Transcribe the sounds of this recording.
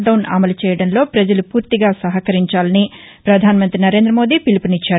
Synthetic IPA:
ɖɐwnɐ̰mɐlut͡ʃɛːjɐɽɐnlo̞ːpɾɐd͡ʒɐlupuːɾt̪iɡaːsɐɦɐkɐɾiɲt͡ʃaːlɐni | pɾɐd̪ʱaːnɐmɐnt̪ɾinɐɾe̞ːnd̪ɾɐmo̞ːd̪iːpilipunit͡ʃːaː

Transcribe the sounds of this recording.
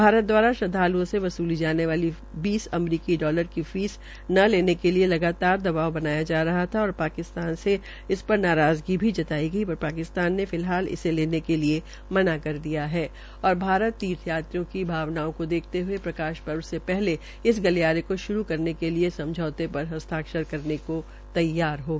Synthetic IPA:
bʱaːɾət̪̚d̪waːɾaʃɐd̪ʱaːluõseʋɐsuːlid͡ʒaːneʋaːli | biːsɐmɾiːkiɖɔːləɾkifiːs | nɐleːnekelielɐɡaːt̪aːɾd̪ɐbaːʋbɐnaːjad͡ʒaːɾɐɦat̪ʰaɔːɾpaːkɪst̪aːnse | ɪspɐɾnaːɾaːzɡibʱid͡ʒɐt̪aːiɡɐibɐɾpaːkɪst̪aːnːefɪlɦaːlɪ̰seleːnekelie | mɐnakɐɾd̪ijaɦɛː | ɔːɾbʱaːɾət̪ːiːt̪ʰjaːt̪ɾjõkibʱaːʋnaːõkod̪eːkʰt̪eɦʊepɾɐkaːʃpɐɾʋsepɛɦle | ɪs̬ɡɐljaːɾekoʃʊɾukɐɾnekeliesɐ̃md͡ʒʱɔːt̪epɐɾɦɐst̪ʰaːkʃəɾkɐɾneko | t̪ɐjːaːɾɦoː

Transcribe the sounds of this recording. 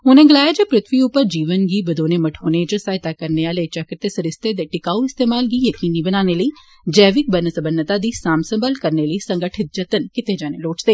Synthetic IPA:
ʊnẽːɡɪlaːjad͡ʒəpɾɪt̪ʰʋiʊpːəɾd͡ʒiːʋənɡiːbəd̪oːneməʈʰoːneːd͡ʒəsaːɪt̪aːkəɾneaːlet͡ʃəkəɾt̪esəɾɪst̪ed̪eʈɪkaːuɪst̪eːmaːlɡiːjəkiːniːbənaːneləiː | d͡ʒɛːʋɪk̚bənəsəbənːət̪aːd̪iːsaːmsəmbəlkəɾneləisəŋɡəʈʰɪt̪̚d͡ʒət̪ənkɪt̪ed͡ʒaːneloːt͡ʃd̪eː

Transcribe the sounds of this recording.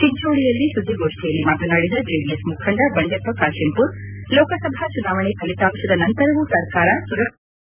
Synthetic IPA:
t͡ʃiɲt͡ʃoːɭijɐlːisud̪ʱːiɡoːʂʈijɐlːimaːt̪unɐɽid̪ɐd͡ʒiːbiesmukʰɐɳɖɐbɐɳɖepɐkaːʃimpuɾlɔːkɐsɐbʱat͡ʃunaːʋɐɳekɐlit̪aːmʃɐd̪ɐnɐnt̪ɐɾɐʋusɐɾkaːɾɐsuɾɐ

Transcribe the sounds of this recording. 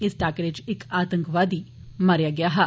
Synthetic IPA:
ɪsʈaːkəʈɪt͡ʃɪkaːt̪ə̃ŋkʋaːd̪iː | mɐɾjaːɡɪjaːɦɛ

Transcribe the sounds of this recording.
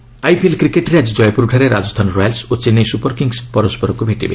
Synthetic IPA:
ajpʰelkɾikeʈɾead͡ʒid͡ʒɔjpuɾuʈʰaɾeɾad͡ʒɔst̪ʰanɔɾɔjalsot͡ʃenejsupɔɾkiŋspɔɾɔspɔɾɔkubʱeʈibe

